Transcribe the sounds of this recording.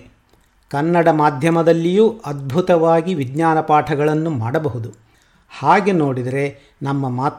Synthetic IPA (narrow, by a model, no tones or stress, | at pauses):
kɐnːɐɽɐmaːd̪ʱjɐmɐd̪ɐlːijuːʔɐd̪̚bʱut̪ɐʋaːɡiʋiɡɲaːnɐpaːʈʰɐɡɐɭɐnːumaːɽɐbɐɦud̪u | haːɡe̞no̞ːɽid̪ɐɾe̞ | nɐmːɐmaːt̪